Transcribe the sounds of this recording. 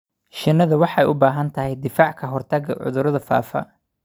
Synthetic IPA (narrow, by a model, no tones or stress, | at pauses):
ʃɪnːɐðɐwɑħɑɛjʔʊbaːɦɐnt̪ʰɐɦɛjd̪ɪfaːʕkʰɐɦɔrt̪ʰɐɡɐʕʊ̰ðʊɾɐðɐfa̰ːfɐ̰